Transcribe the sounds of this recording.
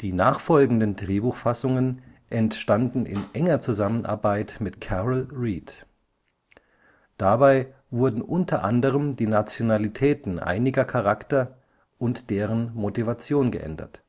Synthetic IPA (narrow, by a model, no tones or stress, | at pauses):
d̥iːnaːχfɔlɡŋ̩dəndʁeːbuːxfasʊŋənʔɛntʃtandn̩ʔɪ̰nʔɛŋɐt͡suzamənʔa̰ɐbaɪtmɪtkʰɛʁəlʁiːt | d̥abaɪ | vʊɐdn̩ʔʊntʰɐʔandəʁəmdiːnat͡sjonalitʰɛːtn̩ʔa̰ɪnɪɡɐkʰaʁaktɐ | ʔʊntd̥eːʁənmotivat͡sjoːnɡə̰ʔɛ̰ndɐ̰t